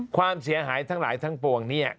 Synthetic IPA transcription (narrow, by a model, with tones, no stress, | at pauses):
kʰwaː˧msi˩˦ɐɦaː˩˦jt̪ʰa˦˥ŋlaː˩˦jt̪ʰa˦˥ŋpu˨˩əŋni˦˥˩ɐ